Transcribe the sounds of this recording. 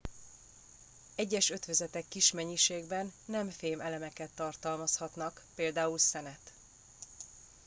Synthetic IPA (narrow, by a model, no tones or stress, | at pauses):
ɛɟːɛʃø̞t̪ʋøzɛt̪ɛkːiʃmɛɲːiʃeːɡbɛnːɛmfeːmɛlɛmɛkɛt̪ːɒrt̪ɒlmɒshɒt̪nɒkpeːld̪aːulsɛnɛt̪